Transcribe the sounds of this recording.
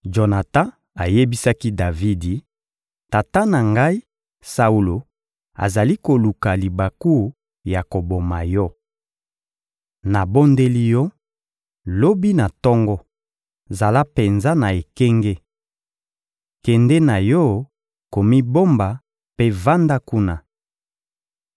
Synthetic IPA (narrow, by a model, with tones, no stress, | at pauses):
ʒo˨na˨tã˦ | a˨je˦bi˦sa˦ki˦da˨vi˦di˨ | ta˨ta˦na˨ŋɡa˦i˦ | sa˨u˨lo˨ | a̰˨za˨li˦ko˨lu˨ka˨li˨ba˨ku˦ | ja˨ko˨bo˨ma˨jɔ˦ | na˨bo˦nde˦li˦jɔ˦ | lo˦bi˦na˨tɔ˦ŋɡɔ˦ | za˨la˦pe˨nza˦na˨e˨kɛ˦ŋɡe˦ | kɛ˨ndɛ˦na˨jɔ˦ | ko˨mi˦bo˦mba˨ | pe˦va˦nda˦ku˦na˦